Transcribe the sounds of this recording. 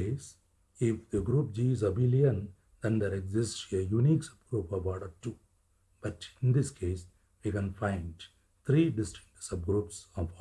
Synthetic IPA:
eːs | ifd̪iɡɾuːp̚d͡ʒiːizɐbiliɐ̃n | d̪̥ɛ̃nd̪eɾeɡzɪsʈejuniːksʌ̥b̚ɡɾuːpɔʋɔːɖəʈu | b̥ʌʈĩnd̪iskʰeːs | ʋikɛ̃nfãɪ̃ɳɖ | t̪ʰɾiːɖɪsʈɪ̥̃ŋ̚ʈsʌb̚ɡɾuːpsɔfɔ

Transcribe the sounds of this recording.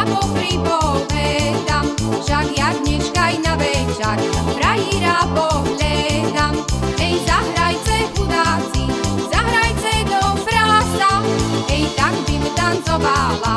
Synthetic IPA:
apɔpɾipɔlɛd̪amʃaɡjaɡɲɛʃkajnaʋɛt͡ʃaɾpɾajiɾapɔɦʎɛd̪amɛjzaɦɾajt͡sɛbud̪aːt͡sizaɦɾajt͡sɛd̪ɔpɾaːsaɛjt̪aɡbimt̪ant͡sɔvala

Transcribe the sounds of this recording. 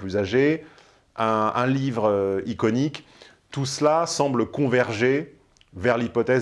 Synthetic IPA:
plyzaʒe | ɛ̃ɛ̃livʁøikɔnik | t̪uslasɑ̃bləkɔ̃vɛʁʒe | vɛʁlipɔt̪ɛ

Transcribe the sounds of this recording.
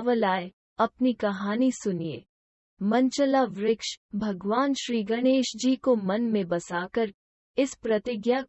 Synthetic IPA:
ʋəlaːe | ɐpnikɐɦaːnisʊniḛː | mɐ̃nt͡ʃəlaʋɾɪkʃbʱɐɡʋaːnʃɾiːɡɐneːʃd͡ʒiːkomɐnmẽbɐsaːkəɾ | ɪspɾɐt̪ɪɡja

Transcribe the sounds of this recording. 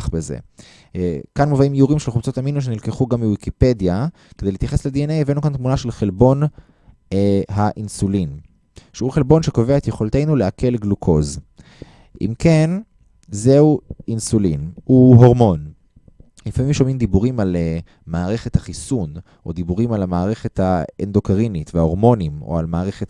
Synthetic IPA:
χbezḛ | kanmovaimjuʁimʃelχubt͡sot̪aminuʃ̬enilkeχuɡamiwikiped̪ja | ked̪ejlit̪jaχe̞sled̪ienejevenukant̪munaʃelχelbo̞n | ɦaʔinsulin | ʃeuχelbo̞nʃe̞ko̞veaet̪jeχo̞lt̪ejnuleake̞lɡlukʰo̞z | ʔḭmken | zeuinsulinhuɦo̞ʁmo̞n | lifamimʃo̞mimd̪ibuʁimale | maːʁe̞χe̞t̪haχisun | ʔo̞d̪ibuʁimalamaːʁe̞χet̪haend̪o̞kaʁinit̪veaoʁmo̞nimo̰almaːʁe̞χet

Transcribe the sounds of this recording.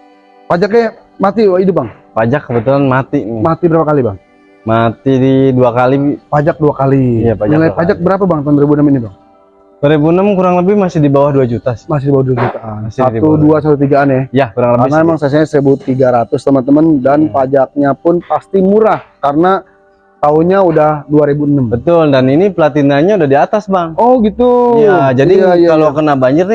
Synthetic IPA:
pad͡ʒakɲa | mat̪iidʊp̚baŋ | pad͡ʒakːəbət̪ulanmat̪inɪmat̪ibəɾapakalibaŋ | mat̪ididuakalipad͡ʒak̚duakalijapad͡ʒnilajpad͡ʒak̚bəɾap̬abaŋt̪aʊndoɾibunəminibaŋ | dɾibunəmkuɾaŋləbɪhmasɪhdibawahduad͡ʒut̪asmas̬ɪhdibawaduad͡ʒut̪aansauduas̬at̪ut̪̬iɡaːnjɛhjakuɾaŋləbkanaaemaŋsas̬ɲasəbut̪ːiɡaɾat̪ʊst̪əmənt̪əməndanpad͡ʒak̚ɲapʊnpast̪imuɾahkarəna | t̪aʊnɲaudahduaɾebuənəmbət̪ʊldaninipəlat̪inaɲaudahdiat̪asbaŋɔhɡit̪ujad͡ʒadiajaalokənabaɲd͡ʒɪrni

